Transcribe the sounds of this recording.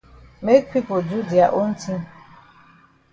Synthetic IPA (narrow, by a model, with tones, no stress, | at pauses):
me˦k̚pi˦po˨d͡ʒu˦di˨a˨ʔo˦n̩˦tʰi˦